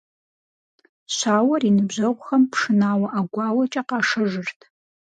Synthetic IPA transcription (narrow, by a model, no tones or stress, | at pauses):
ɕaːwɐriːnɨbʑɐʁʷxɐmpʰʂɨnaːwɐʔaɡʷɑːwɐt͡ʃʼɐqɑːʂɐʐɨrtʰ